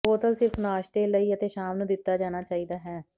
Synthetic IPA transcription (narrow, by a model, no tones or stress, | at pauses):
oːt̪əlsɪfnaːʃt̪eːləiːət̪eːʃaːmnũːd̪ɪt̪ːaːd͡ʒaːnaːt͡ʃaːiːd̪aːɦɛː